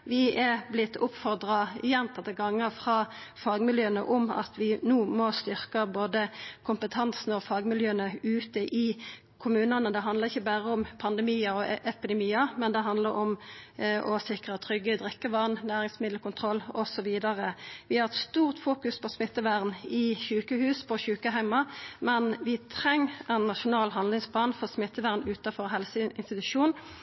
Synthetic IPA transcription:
ʋɪɛblɪt̪ʰːʊpfɔʁd̪ʁɑɪjɛnt̪ʰɑt̪ːəɡɑŋːəfʁɑː | fɑːɡmɪljøːənə̰ʔʊmɑ̰t̪ʰʋɪnuːmɔst̪ʏʁkəboːd̪əkʰʊmpət̪ʰɑnsn̩ɔfɑːɡmɪljøːənəʉːt̪əʔɪ | kʰʊmʉːnɑnəd̪ɛɦɑnd̪ləʁɪçːəbæʁəʊmpʰɑnd̪ɛmiːɑɔʔɛpɪd̪ɛmiːɑmɛnd̪ɛɦɑnd̪ləɾʊmʔɔsɪkʁɑt̪ʰʁʏɡːəd̪ʁɪkːəʋɑʁnnæːʁɪŋsmɪd̪l̩kʊnt̪ʰʁɔlːɔsɔʋiːd̪ɑʁəʋɪhɑʁɛt̪st̪uːʁt̪fuːkʉspɔsmɪt̪ːəʋæʁnɪçʉːkəhʉːspʰɔçʉːkəɦæɪmɑmɛnʋɪt̪ʰʁɛŋːɛnːɑʃʊnɑːlɦɑnlɪŋsplɑːnfɔsmɪt̪ːəʋæːʁnʉːt̪ɑfɔʁɦɛlsəɪnst̪ɪt̪ʉʂuːn

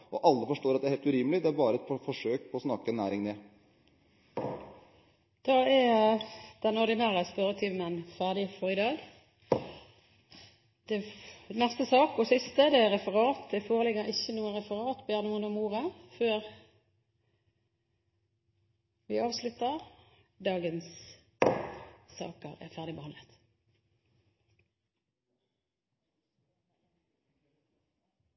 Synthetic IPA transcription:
ʔɔʔɑlːəfɔʂʈoːɾɑt̪d̪ɛæɾheːlt̪ʉɾiːməlɪd̪ɛæɾbɑːɾəɛt̪fɔʂøːk̚pʰɔɔsnɑkːəɛnːæːɾɪŋne | d̪̥ɑːæjd̪̥ɛnɔʁd̪ɪnæːʁəspœʁət̪ʰiːʋmənfæʁd̪ɪfɔʁɪd̪ɑːɡ | d̪̥ɛnɛst̪əsɑːkɔsɪst̪əd̪ɛæʁɛfəʁɑːt̪d̪ɛfoːʁəlɪɡːəʁɪçːənuːənʁɛfəʁɑːt̪beːnuːənʊmuːʁəføːʁ | ʋɪɑːʋslʉt̪əʁ | d̪ɑːɡəns | sɑ̰ːkə̰ʁæ̰ʁfæʁd̪ɪbəhɑnd̪ət̪

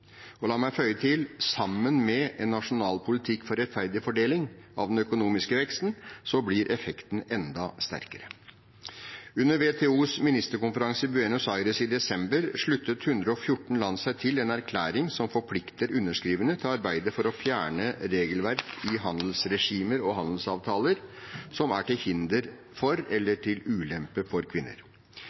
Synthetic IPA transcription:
ɔlɑːmæɪfœʏət̪ʰɪlsɑmːənmɛɛnːɑʂʊnɑːlpʰʊlɪt̪ʰɪkːfɔɾɛt̪fæɾd̪ɪəfɔɖeːlɪŋɑʋd̪ɛnœkʊnuːmɪskəʋɛkst̪n̩sɔbliɾʔɛfɛkt̪n̩ɛnd̪ɑst̪æ̰ɾkəɾə | ʉnːəɾʋeːt̪ʰeːuːsmɪnɪst̪əɾkʊnfəɾɑŋsəbʉɛnʊsɑɪɾəsɪd̪ɛsɛmbəɾʂɭʉt̪ːət̪hʉnd̪ɾəɔfjʊʈːɳ̩lɑnsæɪt̪ʰɪlɛnæɾkʰlæːɾɪŋsɔmfɔɾpʰlɪkt̪əɾʉnːəʂkɾiːʋənət̪ʰɪlɑɾbæɪd̪əfɔɾɔfjæːɳəɾeːɡəlʋæɾkʰɪɦɑnd̪l̩sɾɛʂiːməɾɔɦɑnd̪l̩sɑːʋt̪ʰɑːləɾsɔmæʈɪhɪnd̪əɾ | fɔɾɛlːəʈʰɪlʉːlɛmpəfɔɾkʰʋɪnːə̰ɾ

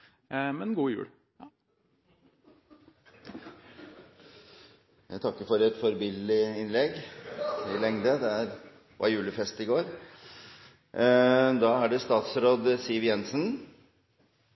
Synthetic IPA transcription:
mɛnɡuːjʉ̰ːl | jæɪt̪ʰɑkːəfɔɾɛt̪fɔɾbɪlɪɪnlɛɡ | ɪlɛŋd̪əd̪ɛæɾ | ʋʔɑ̰ɾjʉːləfɛst̪ɪɡoːɾ | d̪ɑːæɖɛst̪ɑːt̪sɾoːd̪sɪʋjɛnsən

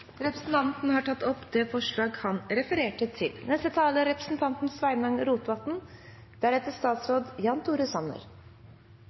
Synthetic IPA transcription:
ɾɛpɾəsn̩t̪ʰɑnt̪nhɑʈʰɑt̪ːɔpd̪ɛfɔʂɭɑːɡhɑnɾɛfəɾeːʈət̪ʰɪlnɛst̪ət̪ʰɑːləɾɛpɾəsn̩t̪ʰɑnt̪n̩sʋæɪmɑŋɾuːt̪ʋɑt̪n | d̪̥æɾɛt̪ːəʂt̪ɑːt̪sɾoːd̪jɑnt̪ʰuːɾəsɑnə̰ɾ

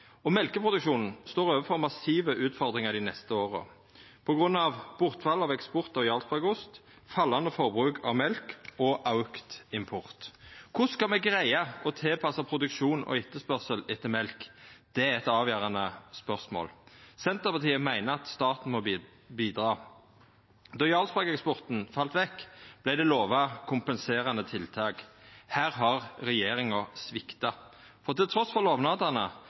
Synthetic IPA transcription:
ɔmɛlkəpʰʁʊd̪ʉkʃuːnn̩st̪oːʁøːʋəfɔʁmɑsiːʋəʔʉːt̪fɔʁd̪ʁɪŋɑd̪ɪnɛst̪əoːʁə̰ | pʰɔɡʁʉnːɑʋb̥ʊʁt̪fɑlːɑʋɛkspʊʁt̪ɔjɑːlspʰɔɑʊɡʊst̪ | fɑlːɑnd̪əfɔʁbʁʉːkʰɑ̰ʋmɛlkɔʔɑʉkt̪ɪmpʰʊʁt̪kʰʊskɑlmɛɡʁæɪɑɔt̪ʰɪlpʰɑsɑpʰʁʊd̪ʉkʃuːnɔ̰ɪt̪ːəspœʁsəlɪt̪ːəmɛlkd̪̥ɛæɛt̪ɑːʋjøːʁɑnəspœʁsmo̰ːlsɛnt̪əʁpɑʁt̪ʰiːəmæɪnəɑt̪st̪ɑːt̪n̩mɔ | biːd̪ʁɑː | d̪ɔjɑlspɑkɛkspɔʁt̪n̩fɑlt̪ʋɛkːb̥læɪd̪ɛloːʋɑkʰʊmpənseːɾɑnət̪ʰɪlt̪ʰɑːɡhæːɾɦɑʁʁɛjeːɾɪŋəsʋɪkt̪ɑ | fɔʁt̪ɪlt̪ʰɾɔsfɔʁloːʋnɑːd̪ɑʁnə

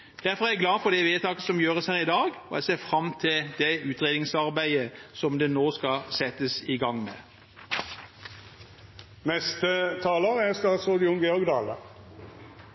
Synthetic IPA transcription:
d̪̥æɾfɔʁæɛɡlɑːfɔʁd̪ɛʋeːt̪ʰɑːkəsɔmjøːʁəshæːʁɪd̪ɑːɡɔɛ̰seːfʁɑmt̪ʰɪld̪̥ɛʉːt̪ʁeːd̪ɪŋsɑʁbæɪəsɔmd̪ɛnoːskɑsɛt̪əsɪɡɑŋːmḛː | nɛst̪ət̪ʰɑːloːʁəæst̪ɑɑt̪sɔd̪ɪʊŋɡəɔɡd̪ɑ̰ːlə̰

